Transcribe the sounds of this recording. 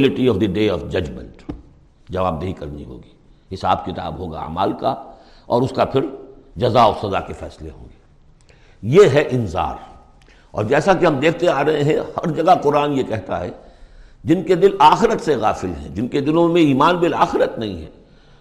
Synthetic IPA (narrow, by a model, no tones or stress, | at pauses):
lɪʈiɔːʋd̪əɖeːɔːfd͡ʒɐd͡ʒmə̰̃ɳʈ | d͡ʒɐʋaːb̚d̪eɦikɐɾnḭɦo̰ːɡiː | ɦɪsa̰ːbkɪt̪a̰ːbɦoːɡa̰ːma̰ːlka | ɔːɾʊskapʰɪɾd͡ʒɐzaɔsɐzakefɛ̰ːsleɦõ̰ːŋɡeː | jeɦɛʔɪnza̰ːɾ | ɔ̰ːɾd͡ʒɛːsakiɦɐmd̪eːk̚ʰt̪eaːɾɐɦẽɦɛ̃hɐɾd͡ʒɐɡaqʊɾaːnjekɛɦt̪a̰ɦɛ | d͡ʒɪnked̪ɪlaːxɪɾət̪seɣaːfɪlɦɛ̰̃d͡ʒɪnked̪ɪlõmẽiːmaːnbɪlaːxɪɾət̪nɐɦĩɦɛ̰̃ː